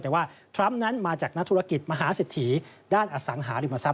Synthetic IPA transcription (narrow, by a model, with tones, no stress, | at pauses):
t̪ɛː˨˩waː˥˩t̪ʰɾa˦˥mna˦˥nmaː˧t͡ɕaː˨˩k̚na˦˥t̪ʰːu˦˥ɾa˧ki˨˩t̪̚ma˧ɦaː˩˦seː˨˩t̪ʰːiː˩˦daː˥˩nʔa˧sa˩˦ŋɦaː˩˦ɾi˧˩ma˧sa˦˥